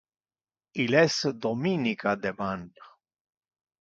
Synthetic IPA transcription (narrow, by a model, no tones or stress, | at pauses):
ilɛsd̪ominikad̪eban